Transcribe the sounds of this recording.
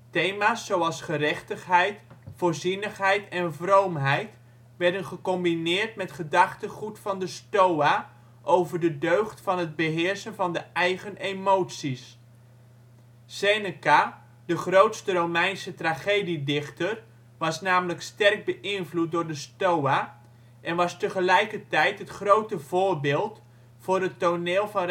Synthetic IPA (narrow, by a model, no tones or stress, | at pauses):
tejmaːsːowɑlˠsχərɛχtəχɦɛjtfoːɹzinəχɦɛjtɛnvrowmɦɛjt | ʋɛɹdənχəkɔmbinɪːrtmɛtχədɑχtəχutfɑndəstowa | ʔowvəɹdədøɥχtfɑnɦəd̚bəɦɪːɹsənvɑndəɛjɣənemowtsis | senəka | dəχrowtstərowmɛjnsətraχeːdidɪχtər | ʋɑsnaːmələkstɛrɡ̚bəʔɪnvlut̚dʊːɹdəstowa | ʔɛnʋɑstəχəlɛjkərtɛjtɦətχrowtəvoːrbɪːlˠt | fʊːrɦətːoneːlˠvɑn